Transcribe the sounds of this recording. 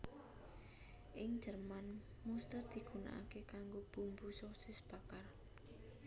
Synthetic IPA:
ʔɪŋ̥d͡ʒərman | must̪ərd̪̥i̤ɡ̥una̰ʔa̰kekaŋɡob̥ṳmbusosɪsb̥a̤kar

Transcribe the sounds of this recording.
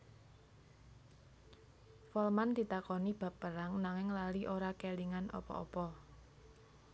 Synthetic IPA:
fɔlmand̪̥i̤t̪akɔnib̥ä̤pəɾaŋnaŋɪŋlaliʔoɾakeliŋanɔ̰pɔ̰ɔ̰pɔ

